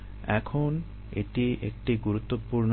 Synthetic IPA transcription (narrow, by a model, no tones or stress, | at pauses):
ɛkʰon | eʈiʔḛk̚ʈiɡuɾut̪ːopuɾn